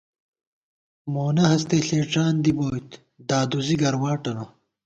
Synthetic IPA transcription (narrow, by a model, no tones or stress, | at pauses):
moːnɐɦɐst̪eːɬeːʈ͡ʂaːnd̪iboːjt̪ | d̪aːd̪uziɡɐɾwaːʈɐno